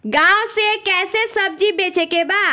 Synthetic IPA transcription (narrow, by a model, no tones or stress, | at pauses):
ɡawsekɛsesəb̚d͡ʒibet͡ʃekeba